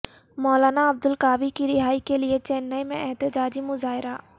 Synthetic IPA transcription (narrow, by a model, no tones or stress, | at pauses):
mɔːlaːnaɐb̚d̪ʊlkaːʋikiɾɪɦaːikeliet͡ʃɛːnːaːimḛ̃ʔɛɦt̪ɪd͡ʒaːd͡ʒimʊzaːɦɪɾaː